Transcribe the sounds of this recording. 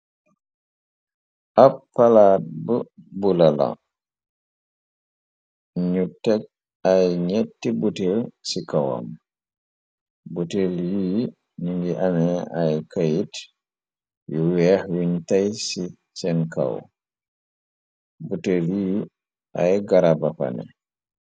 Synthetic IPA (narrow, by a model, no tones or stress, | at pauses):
ʔapːalat̚bəbulala̰ | ɲutɛk̚ | ajɲɛtːibutelsikawa̰m | butelji | ɲuŋɡiʔamɛajkajit | juwɛhwiɲtajsi | sɛnka̰w | butelji | ʔajɡaɾabapa̰nɛ̰